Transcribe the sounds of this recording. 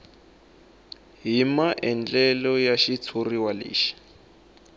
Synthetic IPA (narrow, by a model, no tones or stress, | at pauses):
ɦimaʔɛnd͡ɮɛlɔjaʃit͡sʰuriwalḭːʃi̥